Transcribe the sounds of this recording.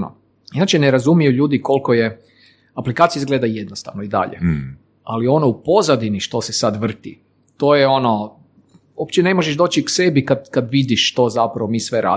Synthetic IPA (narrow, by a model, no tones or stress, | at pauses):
no̰ | inat͡ʃeneɾazumijuʎuːd̪iko̞lˠko̞je | aplikaːt̪sijizɡleːd̪ajed̪nost̪a̰ʋnoid̪a̰ʎḛ | alio̞noupo̞zad̪iniʃt̪o̞sesad̪ʋr̩t̪i | t̪o̞jeo̞no̞ | opt͡ɕene̞moʒeʒd̪oːt͡ʃikse̞bikad̪kad̪ʋid̪iʃʃt̪o̞zapɾaʋo̞miːsʋe̞ɾa̰ː